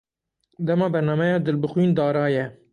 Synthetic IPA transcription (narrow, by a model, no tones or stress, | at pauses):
d̪ɛmɑːbɛɾnɑːmɛjɑːd̪ɨlbɨxwiːnd̪ɑːɾɑːjɛ